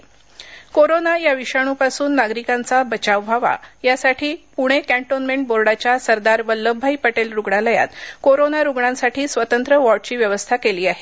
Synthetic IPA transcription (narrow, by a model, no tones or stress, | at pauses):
koɾonajaʋiɕaɽ̃upasuːnːaɡɾikãnt͡sabət͡ɕaʋbʱaʋa̰jasaʈʰiːpuɽ̃ekæ̃ɳʈonmeɳʈ̚boɾɽat͡ɕjasəɾd̪aɾbəlːəbʱːaipəʈelɾuɡɽaləja̰t̪koɾonaɾuɡɳãnsaʈʰiːsʋət̪ənt̪ɾəʋɔʈ̚t͡ɕiːʋjəʋəst̪ʰakeliːaɦe